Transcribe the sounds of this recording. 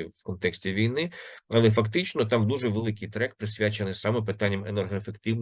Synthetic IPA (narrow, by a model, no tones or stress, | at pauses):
ʋkɔnt̪ɛksʲtʲiʋʲijnɪɐlˠɛf̬ɐkt̪ɪt͡ʃnɔt̪̬ɑmd̪uʒɛʋelˠɪkɪjt̪ɾɛk̚pɾɪsʲʋʲat͡ʃenɪsɑmɛp̬ɪt̪ɑnʲːɐmenerɦɔefekt̪ɪʋn